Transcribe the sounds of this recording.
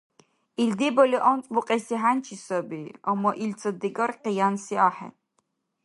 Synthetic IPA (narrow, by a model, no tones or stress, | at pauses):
ild̪ibɔliʔɔnt͡sʼbuqʼɛsiɦant͡ʃʰisɐbiamːɐʔilt͡sʰɐd̪iɡarqijansiaħɛ̰